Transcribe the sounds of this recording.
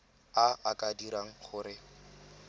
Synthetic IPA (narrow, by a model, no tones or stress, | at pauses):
aakʼadiɾaŋ̩χʊɾɪ